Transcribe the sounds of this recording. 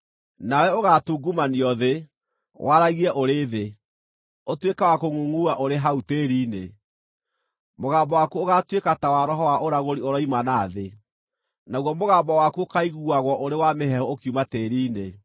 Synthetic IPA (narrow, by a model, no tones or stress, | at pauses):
nawɛoɣatuːɡumaniɔðe | wʔaɾaɣiɛʔoɾeːðe | otwekawakoŋuŋuaʔoɾeɦauteːɾiːne | moɣaːmbɔwakuoɣatwekatawaɾɔɦɔwaʔoɾaɣoɾioɾɔimanaːðe | naɣwɔmoɣaːmbɔwakuokaiɣuaɣwɔʔoɾewameɦɛhɔokiumateːɾiːne